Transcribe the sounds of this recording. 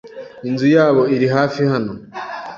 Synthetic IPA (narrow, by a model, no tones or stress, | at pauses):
inzujaːβo̞iɾiɦaːfihano̞